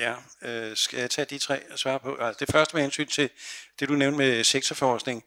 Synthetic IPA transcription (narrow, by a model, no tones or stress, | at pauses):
jæøsɡ̥æjat͡sʰɛ̰ːd̥it͡sʰʁɛ̰ːsʋɑ̈ːpʰɒ̽ælsd̥e̝fɶɐsd̥əmehensy̰ːnt͡sʰe̝d̥e̝d̥uneʊnd̥meseɡ̥t͡sʰɐfɒːsɡ̥ne̝ŋ̩